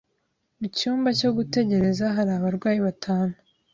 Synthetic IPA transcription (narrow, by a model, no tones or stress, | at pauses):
mucuːmbaco̞ɡute̞ɟe̞ɾe̞zaɦaɾaːβaɾɡwaːjiβatʰaːnu